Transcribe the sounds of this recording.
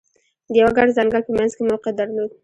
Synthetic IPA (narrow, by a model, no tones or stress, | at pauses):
d̪əjawaɡaɖzɑŋɡəɽpəmanzkemalqad̪aɾlod̪